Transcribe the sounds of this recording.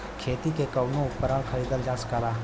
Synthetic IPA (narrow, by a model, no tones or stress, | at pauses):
kʰeːt̪ikekɐʊnõʊpːəɾaːlxəɾiːd̪əld͡ʒaːskaːɾaː